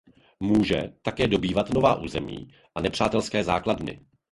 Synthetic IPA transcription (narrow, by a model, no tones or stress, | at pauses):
muːʒɛ̰t̪akɛːdo̞biːvat̪novaːʔuːzɛmḭː | ʔanɛpr̝̥aːt̪ɛlskɛːzaːkladnɪ̰